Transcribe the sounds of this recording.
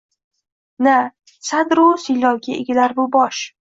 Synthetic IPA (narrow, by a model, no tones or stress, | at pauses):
na | sad̪ɾʊsɪlɒwɡʲaeɡʲalaɾbʊbɒʃ